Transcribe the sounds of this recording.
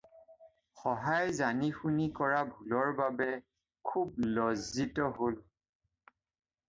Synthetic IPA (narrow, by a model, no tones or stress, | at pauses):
xɔɦajzanixunikɔɹabʱulɔɹbabɛ | kʰub̚lɔzːitɔɦol